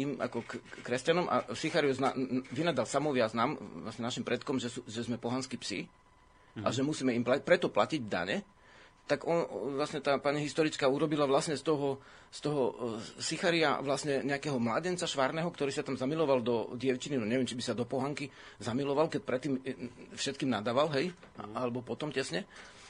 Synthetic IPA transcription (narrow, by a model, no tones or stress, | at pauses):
ima̰kɔkkːɾɛscanɔmʔa̰sixaɾiuzna̰ʋinad̪alsamɔʋɪaznamlasɲɛnaʃimpɾɛt̪kɔmʒɛsuʒɛzmɛpɔɦanskipsḭ | aʒɛmusiːmɛimpapɾɛt̪ɔplaciɟd̪a̰ɲɛ | t̪aɡɔnʋlasɲɛt̪aːpaɲɛɦist̪ɔɾit͡skaːuɾɔbilaʋlasɲɛst̪ɔɦɔ | st̪ɔɦɔsixaɾia̰ʋlasɲɛɲɛakɛɦɔmlaɟɛnt͡saʃʋaɾnɛɦɔkt̪ɔɾiːsat̪amzamilɔʋald̪ɔɟɪɛʊt͡ʃininɔɲɛʋɛmt͡ʃibisad̪ɔpɔɦaŋki | zamilɔʋalkɛc̚pɾɛt̪ːiːmfʃɛt̪̚kiːmnad̪aːʋalɦɛj | alɛbɔpɔt̪ɔmcɛsɲɛ